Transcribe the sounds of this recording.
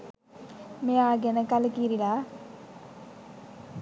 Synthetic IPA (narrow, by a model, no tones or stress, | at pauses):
meaːɡɐnɐkɐlɐkiɾila